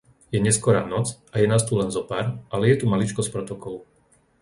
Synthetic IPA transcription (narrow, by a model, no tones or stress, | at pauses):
jɛɲɛskɔɾa̰ːnɔt͡sajɛnast̪ulɛnzɔpaːɾʔalɛjɛt̪umalit͡ʃkɔspɾɔt̪ɔkɔlu